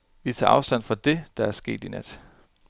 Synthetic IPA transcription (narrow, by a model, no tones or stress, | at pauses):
ʋit͡sʰɑ̰̈ːɑ̈ʊsd̥æn̰fɒd̥e̝d̥ɑ̈æɐsɡ̥e̝̰ːd̥inæd̥